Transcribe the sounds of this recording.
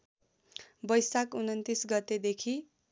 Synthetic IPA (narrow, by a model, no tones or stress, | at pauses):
bʌjsakunʌnt̪isɡʌt̪ːed̪ekʰi